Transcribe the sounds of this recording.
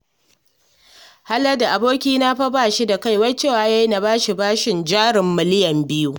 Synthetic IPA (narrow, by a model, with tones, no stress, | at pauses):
ha˦lɐ˦da˨ʔa˨boː˦kʲiː˦na˦ɸɐ˦baː˨ʃi˦da˨ka˦˨jwɐ˦t͡ʃeː˦˨waː˦ja˦jna˦baː˦ʃi˨baː˦ʃɪ˨nd͡ʒaː˦ɽɪ˨mːɪ˦lɪ˦jɐ˨mbɪ˦ju˦